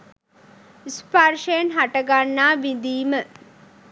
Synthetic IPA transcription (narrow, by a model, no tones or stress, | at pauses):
isparʃejenɦaʈəɡanːaːʋid̪iːmə